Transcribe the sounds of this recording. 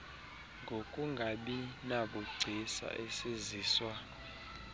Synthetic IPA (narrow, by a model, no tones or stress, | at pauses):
ŋɡʱokʼuŋɡʱaɓinaɓɔɡ͡ǀʱisa̰ʔɛseziːswa